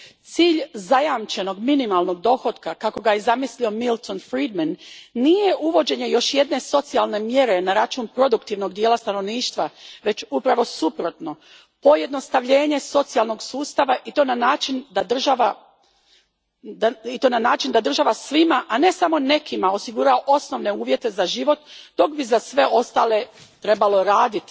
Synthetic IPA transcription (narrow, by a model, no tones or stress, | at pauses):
t̪siːʎzajamt͡ʃe̞no̞ɡminimalˠno̞ɡ̚d̪o̞xo̞d̪kakako̞ɡajezamislio̞milˠt̪onfɾiːd̪manːije̞ʔuʋo̞d͡ʑe̞ɲe̞jo̞ʃje̞d̪ne̞so̞t̪sialˠne̞mje̞ɾe̞naɾat͡ʃuːnpɾo̞d̪ukt̪iʋno̞ɡd̪jeːlast̪ano̞ʋniːʃt̪ʋaʋe̞t͡ʃupɾaʋo̞supɾo̞t̪no̞ | po̞je̞d̪no̞st̪aʋʎe̞ːɲe̞so̞t̪sialˠno̞ɡsuːst̪aʋaʔit̪o̞nanaːt͡ʃind̪ad̪r̩ʒaʋa | it̪o̞ːnanaːt͡ʃind̪ad̪r̩ʒaʋasʋimaʔane̞samo̞ne̞kimao̞siɡuɾaoʔo̞sno̞ʋne̞uːʋje̞t̪e̞zaʒiʋo̞t̪d̪o̞kbizasʋe̞o̞st̪aːle̞t̪ɾe̞balo̞ɾaːd̪it̪i̥